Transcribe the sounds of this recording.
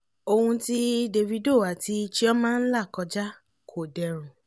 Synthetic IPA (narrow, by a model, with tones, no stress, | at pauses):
o˧hũ˧ti˦de˧vi˧do˦˨wa˨ti˧t͡ʃi˦ɔ˦mãː˦n̩˦la˦˨kɔ˧d͡ʒa˦ | kʰo˨dɛ˨ɾ̃ũ˨